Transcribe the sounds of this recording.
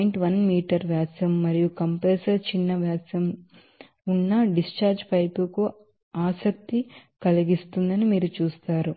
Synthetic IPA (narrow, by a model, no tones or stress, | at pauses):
ɳʈʋɐnmiːʈɐɾʋjaːsɐmːɐɾijukɐmpeːsɐɾt͡ʃinːɐʋjaːsɐm | unːɐɖist͡ʃaːɾd͡ʒpɐjpuku | aːsɐk̚t̪ikɐliɡist̪und̪ɐnimiːɾut͡ʃuːst̪aːɾu